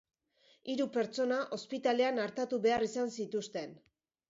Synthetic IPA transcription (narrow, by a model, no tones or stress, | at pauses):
iɾupe̞ɾt͡so̞naʔo̞spit̪ale̞anaɾt̪at̪uβe̞arisansit̪ust̪e̞n